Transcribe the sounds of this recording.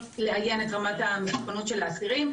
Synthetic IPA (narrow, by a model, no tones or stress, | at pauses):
leajenetʁamatamitχonotʃe̞laːsiʁim